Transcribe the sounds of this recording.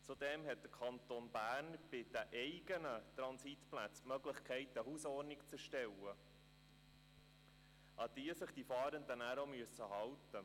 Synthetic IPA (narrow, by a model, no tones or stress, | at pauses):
t͡sud̪ɛmɦɛt̚d̥əkʰɑnt̪onb̥æːɾnb̥ɪd̥æʔɛɪɡ̥ənət̪ɾɑnsitplæt͡smœɡləχkʰɛɪt̪əhuːsɔrnɪkt͡səɾʃtɛlːə | ʔɑd̥̪iəsəχd̥̪ifɑːɾənd̪ənæɾomyəsːəɦɑwtːə